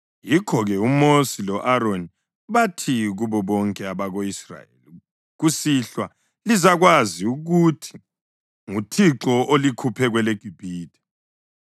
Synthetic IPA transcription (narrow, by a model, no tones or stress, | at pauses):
jikʰɔɣɛumosilɔʔaɾoni | βatʰiɣuβɔβɔŋkʼɛaβaɣoisra̰jḛli | ɣusiɬwa | lizaɣwaziuɣutʰi̥ | ŋutʰiǁɔolikʰupʰɛɣwɛleɡ̥ʱib̥ʱiːd̥ʱɛ̥